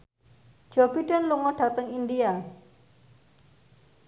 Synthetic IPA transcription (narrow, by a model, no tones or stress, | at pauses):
d͡ʒ̥obiɖənluŋɔɖ̥a̤t̪əŋindia